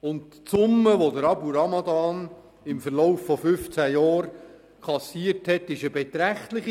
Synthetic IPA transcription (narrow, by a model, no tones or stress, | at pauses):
ʊnt | sʊmːəʋodəɾɑpuɾɑmɑd̪ɑːn | ɪmfəɾlɔʊfːɔfʏft͡sæjɑːɾ | kʰɑsiːəɾthɛt̪ɪʃəbɛt̪ɾæχt̪lɪχi